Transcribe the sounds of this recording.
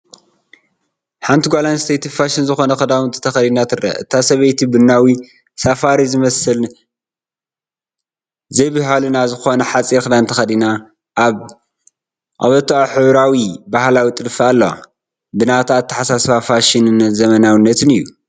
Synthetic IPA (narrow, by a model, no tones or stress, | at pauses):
ħant̪ʰiɡʷalanst̪ʰejt̪ʰifaʃinzɨxo̞nɐxɨd̪awnt̪ʰɨt̪ʰɐxɐd̪inat̪ʰɨrɐ̰ʔɨ̰t̪ʰasɐβɐjt̪ʰibɨnːawi | safaɾizɨmɐsɨl | zɐjbɨɦalunazɨxo̞nɐħat͡sʼiɾkɨd̪awnt̪ʰɐxɐd̪ina | ʔβ | ʔa̰βɐt̪ʰːaħɨβɾawibahlawit̪ʼɨlɨfɐalːoa̰ | bɨnat̪ʰat̪ʰːɐ̥ħasasfafaʃinɨnzɐmɐnawɨnːɐt̪ʰɨnɨjːu